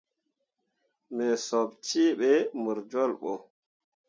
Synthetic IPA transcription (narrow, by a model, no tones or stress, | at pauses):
mɛsɔbt͡ʃiːɓɛmuɾd͡ʒɔlɓɔ